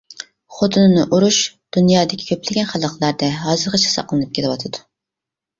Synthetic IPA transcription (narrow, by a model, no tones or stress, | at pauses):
χot̪ʰɨnɨnɨʔuɾuʃd̪̥unjɑːd̪ɪkʲʰi̥kʲʰøplɪɡʲɛnχɑlˠəqlˠɑɾd̪ɛɦɑːzɨɾqɑt͡ʃʰsɑ̰qlˠɨnɨp̚kʲʰelɪwɑt̪ʰɨd̪̥u